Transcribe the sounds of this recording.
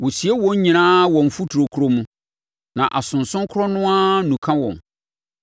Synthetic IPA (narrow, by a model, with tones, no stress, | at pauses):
wʊ˨si˨e˦wɔ̃˦ɲ˦ɲĩ˨nãː˦wɔ̃˨m˨fu˦tʰɾo˨kʰu˨ɾo˦mũ˦ | nã˨ʔa˨sʊ̃˨n̩sʊ̃˦ŋ˦kʰʊ˦ɔ˦nʊ̃˦a˦nũ˨kʰã˦wɔ̃˨m